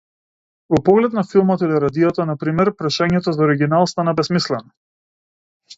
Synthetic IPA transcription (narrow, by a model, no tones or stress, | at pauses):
vɔpɔɡlɛt̪nafilˠmɔt̪iliɾad̪ijat̪anapɾimɛɾpɾaʃaɲɛt̪ɔzaɔɾiɡʲinalˠst̪anabɛsmislɛnɔ